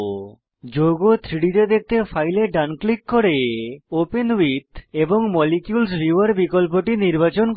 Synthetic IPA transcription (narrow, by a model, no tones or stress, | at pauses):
d͡ʑoɡot̪ʰɾiɽit̪ed̪ek̚t̪efʰajleɖanklikːoɾeopenwit̪eboŋmɔlikjulsbiʋaɾbikolp̬oʈiniɾbat͡ɕon